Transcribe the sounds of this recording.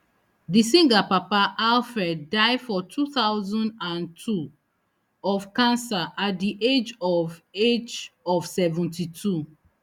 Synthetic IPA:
disĩŋɡapapaʔalfɛdːaɪfɔtʰuθaʊzɔ̃ndãntʰu | ɔvkãnsaʔat̚diʔed͡ʒɔved͡ʒɔv̥sɛvũntitʰu

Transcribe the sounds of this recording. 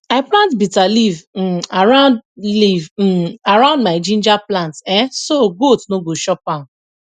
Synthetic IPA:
aɪplãntbitaliv̩aɾãʊ̃ndliv̩aɾãʊ̃ndmaɪd͡ʒĩnd͡ʒaplãntɛsoɡotnoɡoʃɔpã

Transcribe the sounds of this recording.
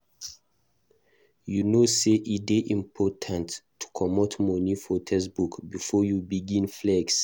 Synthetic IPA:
junoseʔideʔĩmpʰɔtʰãntʰː | u̥kʰɔmɔtmɔnifotʰɛsbukbifɔjubiɡĩnflɛɡs

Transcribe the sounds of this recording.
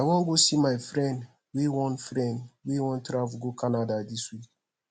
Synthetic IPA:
awɔ̃ŋɡosimaɪfɾɛ̃nd | wiwɔ̃nfɾɛ̃ndwiwɔ̃ntɾavɡokanadadiswik̚

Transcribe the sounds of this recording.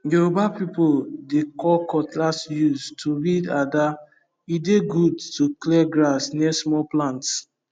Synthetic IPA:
ɡobapipodekɔkɔtlasjuztʰuɹidada | ideɡudtuklɛɡɾasnɛsmɔplãnts

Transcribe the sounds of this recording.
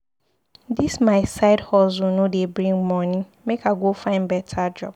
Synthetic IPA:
dismaɪsaɪdhɔzunʊ̃debɾĩŋmɔnĩ | mekʰaɡofãɪ̃nbɛtʰad͡ʒɔ̰b̥̚

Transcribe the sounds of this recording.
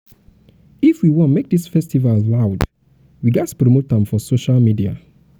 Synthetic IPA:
ifwiwɔ̃nmek̚disfɛstivallaʊd | wiɡaspɹomotãmfɔsoʃalmidia̰

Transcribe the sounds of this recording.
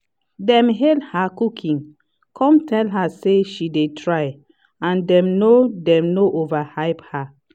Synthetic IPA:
dɛ̃mɦedhakukʰĩŋ | kʰɔ̃mtʰɛlɦaseʃidetʰɹaj | ãndɛ̃mnodɛ̃mnoʔovahaɪpha

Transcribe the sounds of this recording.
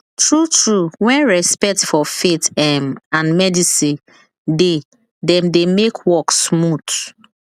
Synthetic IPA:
tɹutɹuwɛ̃nɹɛspɛk̚tfɔfetɛmãnmɛdisi | de | dɛ̃mdemekʰwɔksmut

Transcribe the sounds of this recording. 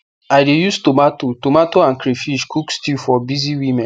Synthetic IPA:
aɪdejustomatotomatoãnkɾefiʃkʰukstifɔbiziwimɛ̃

